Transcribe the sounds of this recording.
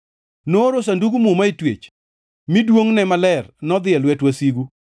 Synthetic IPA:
noɾos̬anduɡumumaitwḛt͡ʃ | midwoŋnɛmalɛrnɔd̪ɪɛlwɛtwasiɡu

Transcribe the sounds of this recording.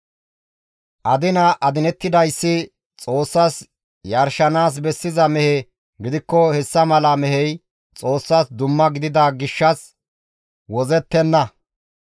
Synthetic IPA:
ʔɐd̪ɪnɐʔɐd̪ɪnɛt̪ːɪd̪ɐjsːɪ | t͡sʼo̞ːsːas | jɐɾʃɐnaːs̬bɛsːɪzɐmɛhɛ | ɡɪd̪ɪkːɔhɛsːɐmɐlɐmɛhɛj | t͡sʼo̞ːsːasd̪ʊmːɐɡɪd̪ɪd̪ɐɡɪʃːɐs | wɔzɛt̪ːɛnːɐ

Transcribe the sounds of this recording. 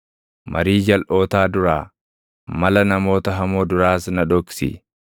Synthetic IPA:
mʔɐ̰ɾiːd͡ʒɐlʔo̞ːt̪aːd̪ʊɾaː | mɐlɐnɐmo̞ːt̪ɐɦɐmoːd̪ʊɾaːsnɐᶑ̪ɔksɪ̰

